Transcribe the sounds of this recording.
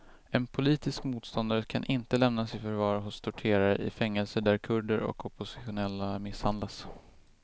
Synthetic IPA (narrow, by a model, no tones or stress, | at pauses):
ɛnpʰʊliːt̪ɪskmuːt̪st̪ɔnd̪aɾəkʰanʔɪnt̪əlɛmnasɪfœɾvɑːɾɦʊst̪ʰʊʈʰeːɾaɾəʔɪ̰fɛŋːɛlsəɖ̪æɾkʰɵɖəɾɔ̰kʰɔpʊsɪ̥ɧʊnɛlːamɪshand̪las